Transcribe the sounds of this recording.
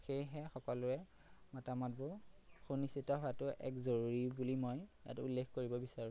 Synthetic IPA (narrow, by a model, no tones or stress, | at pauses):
xejɦɛxɔkɔlʊɛ | matamɔt̚bʊxunisitɔɦʊatʊʔɛ̰kzoɹuɹibulimojja̰tulːexkoɹibɔbisaɹũ